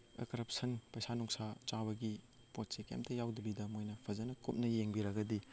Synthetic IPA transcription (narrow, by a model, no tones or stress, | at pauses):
ḛkɐɾɐp̚sɐnpɐjsanuŋsat͡ʃaβɐɡi | pot̚sekḛmtʰɐjawdɐbidɐmojnɐpʰɐzɐnɐkup̚nɐjeŋbiɾɐɡɐdi